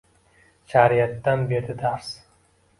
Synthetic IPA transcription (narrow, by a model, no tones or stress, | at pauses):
ʃʰaɾijat̪ːanbe̞ɾd̪ɪd̪aɾs